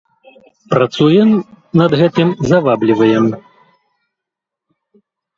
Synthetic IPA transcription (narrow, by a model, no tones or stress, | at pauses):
pɾat̪sujɛm | nɐd̪ɣɛt̪ɨmzɐvablʲivɐjɛm